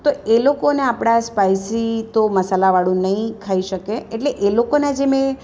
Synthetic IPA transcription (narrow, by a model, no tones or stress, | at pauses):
t̪oelokoneapɽ̃aspajsit̪oməsalaʋaɽũnəĩkʰaiʃəkeeʈleʔelokonad͡ʒemẽ